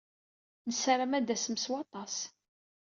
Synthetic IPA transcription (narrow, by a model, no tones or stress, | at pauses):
nəsɾəmæd̪æsəməswɑt̪ˤɑs